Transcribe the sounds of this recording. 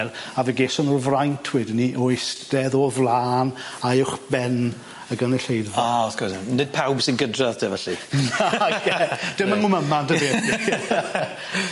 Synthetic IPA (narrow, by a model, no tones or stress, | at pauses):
lavɛɡesɔnɔrvrajntʰwɪdniʔojsd̥ɛðɔvlˠaːnaʊwχbɛn | əɡənɛɬejdvaaɔθkʰɔsnɪd̥̚pʰawbsɪnɡədraðtʰɛvɛɬinaɡɛd̥ɪmənmuməmandəveːɛɛ